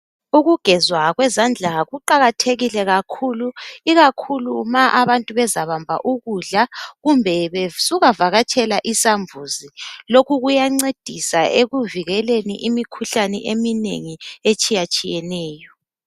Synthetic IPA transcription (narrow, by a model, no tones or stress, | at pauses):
uɣuɡ̥ʱɛzwaɣwɛzand͡ɮʱaɣuǃaɣatʰeɣilɛɣakʰuluiɣakʰulumaʔaβantʼuβɛzaβambʱa̰ʔuɣuɮaɣumbʱɛβesuɣavaɣatʰɛlaʔisaɱvʱuzilokʰuɣujaŋ͡ǀed̥ʱisaeɣuviɣɛlenḭʔimikʰuɬanɛ̰ʔeminḛŋiet͡ʃʼijat͡ʃʼijɛnɛːjɔ